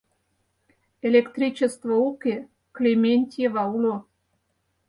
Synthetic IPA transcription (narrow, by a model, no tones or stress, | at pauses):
elʲekt̪rʲit͡ɕest̪voukʲe | klʲemʲenʲt̪ʲjeβɑulo